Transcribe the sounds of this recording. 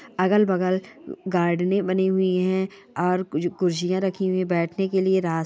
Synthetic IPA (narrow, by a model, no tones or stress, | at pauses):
ɐɡəlbɐɡəlɡaːɾɖnẽbɐniɦʊiɦɛ̃ | ɔːɾɡʊɾd͡ʒijãɾɐkʰiɦʊĩbɛːʈʰnekelieɾaː